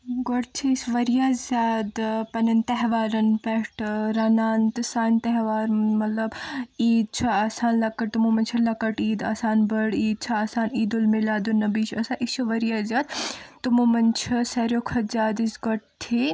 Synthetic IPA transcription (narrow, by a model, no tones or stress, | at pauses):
ɡɔʈt͡ʃʰisʋɐɾijaːzʲaːd̪pɐnɐnt̪ɛɦʋaːɾɐnpɛʈɾanaːnt̪ɨsaːnt̪ɛɦʋaːɾmɐt̪lɐbiːd̪̚t͡ʃʰaaːsaːnlɐkːɐʈ̚t̪umumɐnʲt͡ʃʰɐlɐkːɐʈiːd̪a̰ːsaːnbɐɽiːd̪̚t͡ʃʰaaːsaːniːd̪ulmilaːd̪unɐbiːt͡ʃʰɐsaʔist͡ʃʰuʋɐɾijaːzʲaːd̪t̪ːumumɐnt͡ʃʰɐsɐɾjokʰɐzʲaːd̪isɡɔʈ̚t̪ʰi